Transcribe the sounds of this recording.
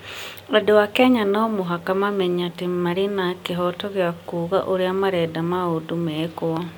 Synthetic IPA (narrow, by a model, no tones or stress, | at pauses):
ɾɔdewakɛɲanɔmoɦakamamɛɲatemaɾenakeɦɔtɔɣjakuːɣa̰ʔoɾeamaɾɛdamaodomɛːkoa